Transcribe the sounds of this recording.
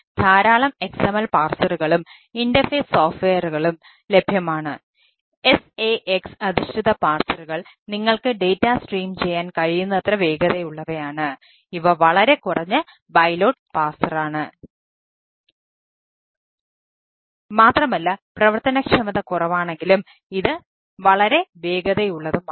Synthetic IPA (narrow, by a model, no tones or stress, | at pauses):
d̪̥ʱaːɾaːɭɐme̞ksemɐlpaːrsɐruɣɐɭum | indɐfeːssoːfʈʋejɐruɣɐɭum | le̞bʱjɐmaːɳɨ | e̞seʔeksɐðiɕʈʰiðɐpaːrsɐruɣɐɭ | niŋːɐɭkɨɖe̞jtːasʈriːmt͡ɕe̞jːaːnkɐɻijunːɐɐt̪rɐʋe̞ːɡɐðejuɭːɐʋɐjaːɳɨ | iʋɐʋɐɭɐɾe̞kurɐɲːɨ | bɐjlo̞ːɖ̚paːrsɐraːɳɨ | maːt̪rɐmɐlːɐprɐʋɐrt̪ɐnɐkʂɐmɐðɐkurɐʋaːɳe̞ŋɡilum | iðɨ | ʋɐɭɐɾe̞ʋe̞ːɡɐðɐjuɭːɐðum